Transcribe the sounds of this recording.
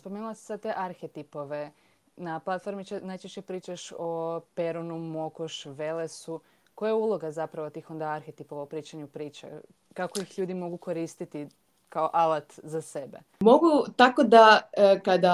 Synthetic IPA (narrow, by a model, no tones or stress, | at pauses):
spo̞menulˠase̥sad̪̚t̪eʔaɾxet̪ipo̞ʋe̞ | naplˠat̪fo̞ɾmit͡ɕenajt͡ʃeʃt͡ɕepɾiːt͡ʃaʃope̞ɾunumo̞koʃʋelesu | kojajaulˠo̞ɡazapɾaʋo̞t̪iːxo̞nd̪aaɾxet̪ipo̞ʋaopɾiːt͡ʃaɲupɾiːt͡ʃḛ | kako̞ixʎuːd̪imo̞ɡuko̞ɾiːst̪it̪i | kaoʔalat̪zase̞be̞̰ | mo̞ɡut̪akod̪akad̪a